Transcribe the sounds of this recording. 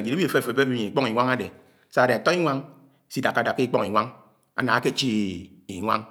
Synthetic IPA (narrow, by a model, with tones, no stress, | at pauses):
d͡ʒi˨ɾi˦i˦e˨fe˦˨fe˨be˦bi˦e˨i˨k͡pɔ˦ŋi˨ŋʷa˦ŋa˦de˨ | sa˦˨de˨a˨tɔ˦i˦ŋʷa˦ŋ | si˦da˨kːa˨˦da˨kːe˦i˦k͡pɔ˦ŋ˨i˨ŋʷa˦ŋ | a̰˨na˨a˦ke˦˨t͡ʃi˦ | i˨ŋʷa̰˦ŋ